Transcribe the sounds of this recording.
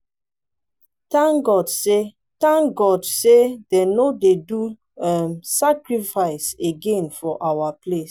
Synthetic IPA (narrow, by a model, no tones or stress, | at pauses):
tãŋɡɔdse | tãŋɡɔdsedenodedu | ɛmsakɹifaɪseɡẽnfɔʔawaples